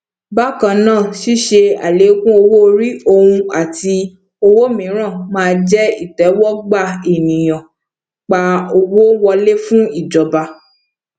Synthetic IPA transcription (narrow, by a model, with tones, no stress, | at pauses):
ba˦kã˧nãː˦˨ʃi˦ʃe˧a̰˨le˨˦kũ˦o˧wo˦˧ɾi˦o˧hũ˧a˨ti˧ | o˧wo˦mĩ˨˦ɾ̃ã˦˨mãː˦˧d͡ʒɛ˦i˦˨tɛ˨˦wɔ˦ɡ͡ba˦˨e˨nĩ˨j̃ɔ̃˨ | k͡pa˧o˧wo˦wɔ˧le˦fũ˦i˦˨d͡ʒɔ˨ba˧